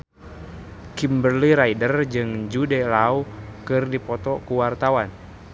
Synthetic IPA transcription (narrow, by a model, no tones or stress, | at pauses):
kimbərliɾaidərd͡ʒɨŋd͡ʒudɛlaukɨrdipɔt̪ɔkuwart̪awan